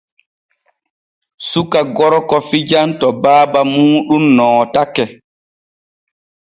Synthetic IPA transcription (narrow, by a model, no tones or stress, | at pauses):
sukaɡɔɾkɔfid͡ʒantɔbaːbamuːɗumnɔːtakɛ